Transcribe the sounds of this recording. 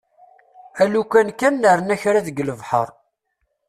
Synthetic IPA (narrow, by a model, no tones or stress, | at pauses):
ælukʷænkænːəɾˤənæçɾaðəɡləvħə̰ɾˤ